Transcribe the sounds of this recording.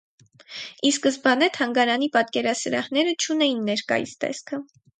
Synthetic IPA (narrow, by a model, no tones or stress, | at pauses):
iskəsbɑnɛt̪ʰɑŋɡɑɾɑnipɑt̪kɛɾɑsəɾɑhnɛɾət͡ʃʰunɛjinːɛɾkɑ̰jḭst̪ɛ̰skʰə